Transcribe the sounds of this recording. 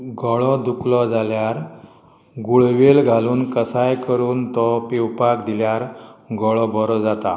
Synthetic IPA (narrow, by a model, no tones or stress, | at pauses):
ɡʱɔɭɔd̪uklɔd͡zaljaɾ | ɡuɭʋelɡʱaluːnkəsajkəɾuːnt̪ɔpiwpakd̪iljaɾɡʱɔɭɔbɔɾɔd͡zat̪a